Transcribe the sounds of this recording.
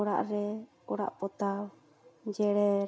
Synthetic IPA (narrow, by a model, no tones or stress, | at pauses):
ɔɽa̰ʔɾɛ | ɔɽa̰ʔpɔt̪a | d͡ʒɛɽɛ